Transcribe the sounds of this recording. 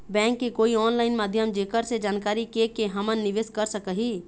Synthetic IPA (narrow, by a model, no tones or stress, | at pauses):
bɛ̃ːŋkːekoːiɔːnlaːɪnmaːd̪ʱjəmd͡ʒeːkəɾsed͡ʒaːnkaːɾikekeɦɐmənːɪʋeːskəɾsəkəɦiː